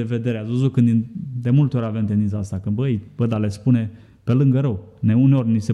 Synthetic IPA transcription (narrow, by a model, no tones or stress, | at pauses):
eved̪e̞ɾeazuzukɨnd̪ind̪e̞mult̪eo̞ɾʲavemt̪end̪int̪aast̪akɨnbəjb̥əjd̪alespune̞ | pe̞lɨŋɡəɾəwneuneo̞rʲnise